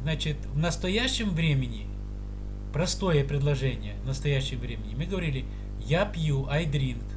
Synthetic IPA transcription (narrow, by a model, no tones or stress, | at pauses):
znat͡ɕɪt̪vnəst̪ɐjæɕːɪmvɾʲemʲɪnʲɪ | pɾɐst̪o̞jəpɾʲɪd̪lˠɐʐɛnʲɪjəvnəst̪ɐjæɕːɪmvɾʲemʲɪnʲɪmɨɡəvɐɾʲilʲɪ | japʲjuʔɐjd̪ɾʲink